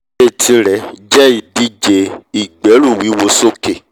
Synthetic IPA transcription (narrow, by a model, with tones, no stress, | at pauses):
e˦˨tʰi˨˧ɾɛ˨d͡ʒɛ˦i˧˨di˦d͡ʒe˧i˨ɡ͡bɛ˨˦ɾu˦˨wi˨˦wo˧˦so˦ke˨